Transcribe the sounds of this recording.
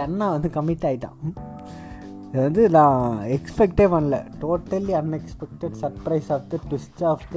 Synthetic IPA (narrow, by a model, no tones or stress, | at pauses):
ɐnːɐʋɐnd̪ɯkɐmːɪʈːaːjɪt̪ːã̰ː | ɪðɐʋɐnd̪ɯnãːɛkspɛk̚ʈeːpɐnlɐ̰ʈoːʈːɐliɐnɛkspɛk̚ʈɛɖsɐɾpɾɐɪsaːft̪ɐʈʋɪsʈːaːft̪